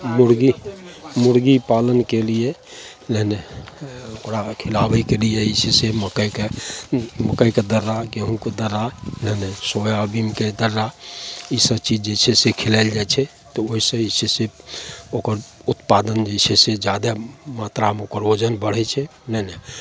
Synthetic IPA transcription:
muɾɡimuɾɡipalənkelie | leɦne | okɾakʰilabəkelijeisʰeseməkəjke | məkəjked̪əɾːakeɦũked̪əɾːaleɦnesojaəbimked̪əɾːaisəbt͡ʃid͡ʒd͡ʒet͡ʃʰɛsekʰilaɪld͡ʒajt͡ʃʰɛ | t̪ɔoisə̃isʰeseokəɾut̪pad̪ənd͡ʒet͡ʃʰɛsed͡ʒad̪amat̪ɾaəmokəɾod͡ʒənbəɽ̤ɛt͡ʃʰɛnəɦne

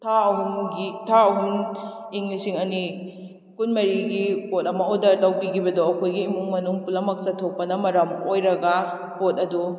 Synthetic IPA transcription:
tʰaɐɦuŋɡitʰaɐɦuŋiŋlisiŋɐni | kunmɐɾiɡipot̚ɐmɐodɐɾtɐwkikʰibɐdoɐkʰojɡiːmuŋmɐnuŋpulɐmɐk̚sɐtʰok̚pɐnɐmɐɾɐmojɾɐɡɐ | potɐdu

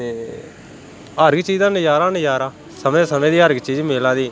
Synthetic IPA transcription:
eː | əɾɡt͡ʃiːzãːnəjaːɾãːnəjaːɾãː | səmẽːsəmẽːd̪iːəɾɡt͡ʃiːd͡ʒmeːlãːd̪iː

